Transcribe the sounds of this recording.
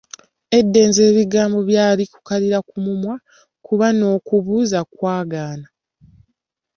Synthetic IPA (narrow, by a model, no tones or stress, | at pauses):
e̞dːe̞ːnze̞ːβiɡaːmbo̞βjaːliku̥kaliɾakumumwa | kuβano̞ːkuβuːzakwaːɡaːna